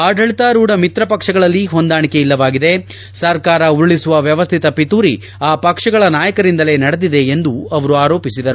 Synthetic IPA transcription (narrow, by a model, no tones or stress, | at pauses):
aːɖʱɐɭit̪aːɾuːɽɐmit̪ɾɐpɐkʂɐɡɐɭɐlːiɦo̞nd̪aːɳike̞ilːɐʋaːɡid̪e | sɐɾkaːɾɐuɾɭisuʋɐʋjɐʋɐst̪ʰit̪ɐpit̪uːɾi | aːpɐkʂɐɡɐɭɐnaːjɐkɐɾind̪ɐle̞ːnɐɽed̪id̪e̞ːnd̪uɐʋɐɾuaːɾo̞ːpisid̪ɐɾu